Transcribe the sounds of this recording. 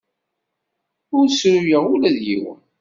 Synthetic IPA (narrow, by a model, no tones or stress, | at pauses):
ʊɾsɾujəʁʊlæðjḭw